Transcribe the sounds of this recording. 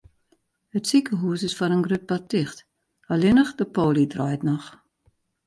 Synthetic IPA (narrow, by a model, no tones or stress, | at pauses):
hətsikəɦuːsɪsfɔɾənɡrøp̚partiχt | alinəχdəpoːlidrɑːjtnɔχ